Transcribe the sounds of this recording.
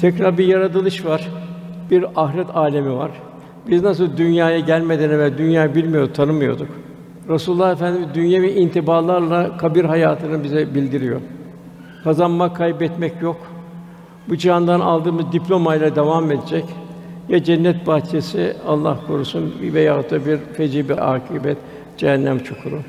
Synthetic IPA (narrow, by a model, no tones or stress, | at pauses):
t̪ʰɛcɾaɾbiɾjaɾad̪ɯlˠɯʃvaɾ̥biɾaɦɾɛt̪ʰaːlʲemiva̰ɾ̥ | biznas̬ɯlˠd̪ynjaːjaɟælʲmed̪enɛvd̪ynjaːjabilʲmijod̪ut̪ʰanɯmɯjo̞̰d̪uk | ɾasulˠulˠːahefænd̪imid̪ynjemiʔint̪ʰibaːlˠaɾlˠakʰabiɾɦajaːt̪ʰɯnɯbizɛbilʲd̪iɾijo̞̰ɾ | kʰazanmakʰːajbɛt̪mɛcjo̞k | bud͡ʒihand̪ana̰lˠd̪ɯːmɯzd̪iplʲo̞majlʲˠad̪evamed̪ed͡ʒɛcjad͡ʒɛnːɛt̪̚bat͡ʃʰesialˠːa̰hkʰoɾusunvɛjat̪ʰːabiɾfed͡ʒibɛʔaːkʰibɛt̪ | d͡ʒɛɦɛnːæmt͡ʃʰokʰuɾu